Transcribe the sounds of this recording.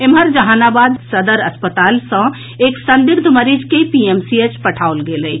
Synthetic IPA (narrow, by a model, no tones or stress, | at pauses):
emɦəɾd͡ʒəɦanabad̪səd̪əɾəspət̪alsə̃ | eksənd̪iɾd̪ʱməɾid͡ʒkepiemsiet͡ʃpəʈʰaolɡeləj